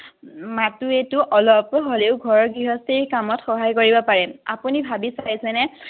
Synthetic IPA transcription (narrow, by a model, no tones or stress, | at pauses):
matuetuʔɔlɔpɦoleʊɡʱɔɹɔɹɡɹiɦɔstiɹkamɔtxɔɦajkoɹibɔpaɹɛa̰punibʱabisajsɛnɛ